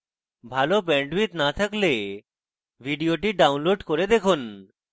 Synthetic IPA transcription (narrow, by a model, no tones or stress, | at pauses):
bʱalobɛɳɖwit̪nat̪ʰakle | bʱiɖijoʈiɖawnloɖkoɾed̪ekʰun